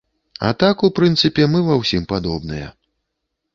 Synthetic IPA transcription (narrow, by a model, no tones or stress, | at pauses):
a̰t̪akupɾɨnt̪sɨpʲɛmɨvawsʲimpad̪ɔbnɨjɐ̰